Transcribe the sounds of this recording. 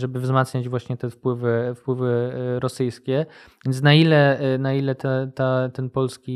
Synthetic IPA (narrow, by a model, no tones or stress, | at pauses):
ʐɛbɘvzmat̪sɲad͡ʑvwaɕɲɛt̪ɛfpwɘvɘfpwɘvɘɾɔsɘjskʲɛvʲjɛnt̪snailɛnailɛt̪ɛt̪at̪ɛnpɔlskʲi